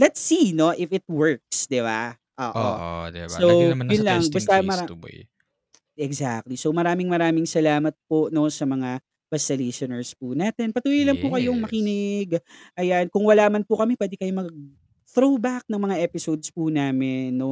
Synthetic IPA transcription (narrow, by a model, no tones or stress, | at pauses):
lɛt̪sino̞ʔɪfɪt̪̚wɛɹk̚sd̪ɪba̰ | ʔo̰ːʔo̰sowjʊnlɐŋbbɐst̪ɐmɐɾa̰ | ɛɡza̰k̚t̪lisowmɐɾaːmɪŋmɐɾaːmɪŋsɐlaːmɐt̪̚pono̞sɐmɐŋa | bɐsɐlesonɛɹspunaːt̪ɛnpɐt̪uːjɐjlɐŋpukɐjoŋmɐkinɪɡʔɐjankʊŋwɐlaːmɐnpʊkɐmipwɛːd̪ɪkɐjomɐɡ̚ | θɾobak̚nɐŋmɐŋaʔɛːpɪsowd̪spunaːmɪnːo